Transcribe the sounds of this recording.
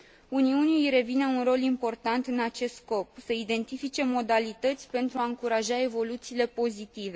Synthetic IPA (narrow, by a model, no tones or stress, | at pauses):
uniunijɾe̞vine̞unro̞limpo̞rt̪ant̪ɨnat͡ʃe̞st̪sko̞psəid̪e̞nt̪ifit͡ʃe̞mo̞d̪alit̪ət̪sʲpe̞nt̪ɾuaɨŋkuɾaʒae̞vo̞lut̪siːle̞po̞zit̪ive̞